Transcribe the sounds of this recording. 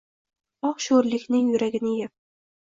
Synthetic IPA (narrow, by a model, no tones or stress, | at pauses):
ɒqʃoɾlɪkʲnɪŋjʊɾaɡʲɪnɪjɪp̚